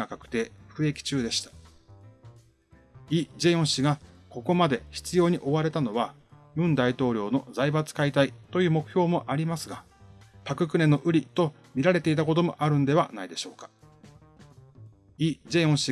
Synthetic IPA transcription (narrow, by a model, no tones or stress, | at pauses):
akakɯ̟̥t̪e̞ːɸɯ̟e̞kʲi̥t͡ɕɨːd̪e̞ɕi̥t̪ḁ | id͡ʑe̞õ̞ɰ̃ɕiɡako̞ko̞mad̪e̞çi̥t͡sɨjo̞ːɲ̟iʔo̞βaɾe̞t̪ano̞βa | jɯ̟̃nd̪ait̪o̞ːɾʲo̞ːno̞zaibat͡sɨ̥kait̪ait̪o̞jɯ̟ːmo̞kɯ̟̥çʲo̞ːmo̞ʔaɾʲimasɨɡa | pakɯ̟kɯ̟ne̞no̞ʔɯ̟ɾʲit̪o̞ | mʲiɾaɾe̞t̪e̞it̪̬ako̞t̪̬o̞mo̞̰ʔaɾɯ̟̃nd̪e̞β̞anaid̪e̞ɕo̞ːkḁ | id͡ʑe̞õɰ̃ɕi